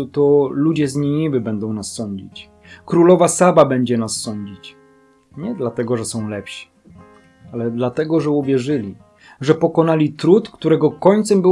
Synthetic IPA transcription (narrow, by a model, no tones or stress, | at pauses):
t̪ɔlud͡ʑɛzɲiɲivɘbɛnd̪ɔ̃w̃nasːɔɲd͡ʑḭt͡ɕ | kɾulɔvasababɛɲd͡ʑɛnasːɔɲd͡ʑit͡ɕ | ɲɛd̪lat̪ɛɡɔʐɛsɔ̃w̃lɛpɕi̥ | alɛd̪lat̪ɛɡɔʐɛuvʲjɛʐɘlʲi | ʐɛpɔkɔnalʲit̪ɾut̪kt̪uɾɛɡɔkɔɲt̪sɛmbɘ